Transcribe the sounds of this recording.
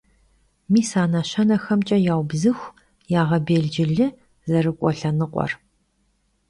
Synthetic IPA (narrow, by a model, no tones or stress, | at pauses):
miːsaːnɐɕɐnɐxɐmt͡ʃʼɐjaːwbzɨxʷ | jaːʁɐbeːɮd͡ʒɪɮɨ | zɐrɨkʷʼɔɬɐnɨqʷʼɔ̰r